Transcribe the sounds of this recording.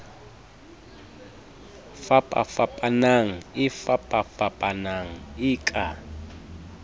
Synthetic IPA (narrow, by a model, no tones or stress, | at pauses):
fapʼa̰fapʼanaŋ̩ɪfapʼafapʼanaŋ̩ɪːkʼa